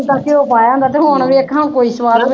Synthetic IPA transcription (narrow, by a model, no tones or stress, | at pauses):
t̪ãːkɪoːpaːjãːnd̪aːt̪eːɦũoɳʋiəkʰãːkoːiːsəʋaːd̪